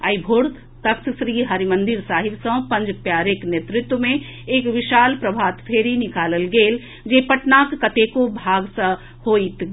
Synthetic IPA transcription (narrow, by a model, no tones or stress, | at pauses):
əibʱoːɽ | t̪əkssɾiɦəɾimə̃nd̪ɪɾsaːɦɪbsə̃pə̃nd͡ʒpjaːɾeknjet̪ɾɪt̪wəmẽ | eːkʋɪʃaːlpɾəbʱaːt̪pʰeːɾinɪkaːləlɡeːl | d͡ʒepəʈnaːkːət̪ekobʱaːɡsə̃ | hoːit̪